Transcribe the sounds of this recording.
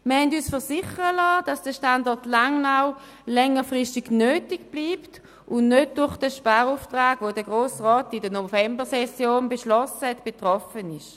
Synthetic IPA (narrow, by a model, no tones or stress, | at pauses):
məɐhɛndyːsfəɐsɪχəʁəlaːd̥ɑsd̥əʃtandɔʁtlaŋnaw | lɛŋəfʁɪʃtɪɡnøːtiɡb̥liːpt | ʔʊnnøt̚d̥ʊʁχd̥əʃpaːʁuftʁaːɡ̥ʋodəɡʁoːsʁɔːtɪdənofɛmbəʁsɛsjoːnbeʃlɔsəhɛtb̥etʁɔfənɪʃ